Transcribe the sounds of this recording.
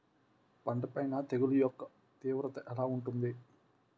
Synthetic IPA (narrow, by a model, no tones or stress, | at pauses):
pɐɳɖɐpɐjnɐt̪e̞ɡulujɔkːɐ | t̪iːʋɾɐt̪ɐʔɛlaːuɳʈund̪i